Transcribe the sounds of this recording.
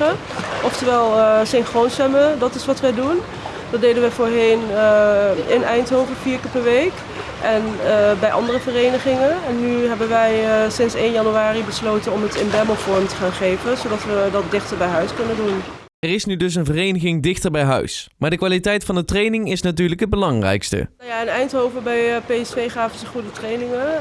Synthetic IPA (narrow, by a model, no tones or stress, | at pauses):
ə | ʔɔftəɹʋɛlˠsɪnχronsɛmədɑtɪsʋɑtʋədun | dɑtdejdənʋəfoːɹɦejn | ɪnɛjntɦowvəfiːɹkəpɛɹʋejk | ʔɛnbɛjʔɑ̰ndərəvərejnəχɪŋəɛnːyɦɛbənʋɛjsɪnsejnjɑnyaːribəslowtənɔmətɪnbɛməlfɔɹmtə̥χaːnχejvənzowdɑtʋədɑt̚dɪχtəɹbɛjɦœɥskɵnəndun | ɛrɪsnydɵs̬ənvərejnəχɪŋdɪχtəɹbɛjɦœ̰ɥsmaːɹdəkʋaːlitɛjtfɑndətrejnɪŋɪsnat̬yːɹləkɦəd̚bəlɑŋrɛ̰jkstə̰njaɪnɛjntɦowvəbɛjpejɛsfejχaːvənzəχudətrejnɪŋə